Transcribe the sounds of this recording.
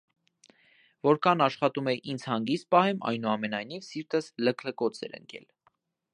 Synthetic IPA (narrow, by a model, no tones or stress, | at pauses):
vɔɾkʰɑnɑʃχɑt̪umɛʔind͡zʰhɑŋɡist̪̚pɑhɛmɑ̰jnuɑmɛnɑjn̪ivsiɾt̪əsləkʰləkɔt͡sʰɛ̰ɾə̰ŋkʰɛ̰l